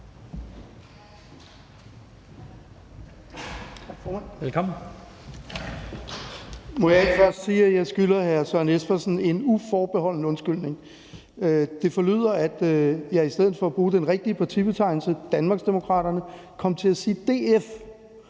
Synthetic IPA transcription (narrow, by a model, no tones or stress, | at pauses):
fɔmænʋelkʰɒmn̩ | mɒ̽jɑ̈eɡ̥fɶɐ̰sd̥siːæjɑ̈ɪsɡ̥ylɐhæɐsɶɐnesfæsn̩e̝nufɒːb̥e̝hɒ̽l̰n̩əɔ̽nsɡ̥yl̰ne̝ŋ | d̥e̝fɒ̽ly̰ð̰ˠɐæd̥jɑ̈ɪisd̥eð̰̩ˠfɒ̽æb̥ʁuːd̥enʁeɡ̥̚d̥iəpʰɑ̈t͡sʰib̥e̝t͡sʰɑ̈ɪ̰nl̩səd̥ænmɑ̈ɡ̥sd̥e̝mo̝kʰʁɑ̰̈ːɾ̥ɐnəkʰɒ̽m̰t͡sʰe̝læsiːd̥e̝̰ːef